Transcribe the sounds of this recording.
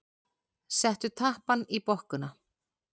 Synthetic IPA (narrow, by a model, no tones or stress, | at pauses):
sɛht̪ʏt̪ʰahpanipɔhkʏna